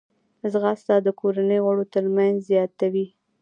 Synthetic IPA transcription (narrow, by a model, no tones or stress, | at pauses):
zɣast̪ɑd̪əkoɾanəjoɣaɽot̪əɾmanzzjɑt̪awi